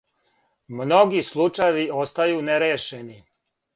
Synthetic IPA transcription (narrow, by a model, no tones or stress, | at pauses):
mno̞ɡislˠut͡ʂajeʋio̞st̪ajuːneɾeːʃeni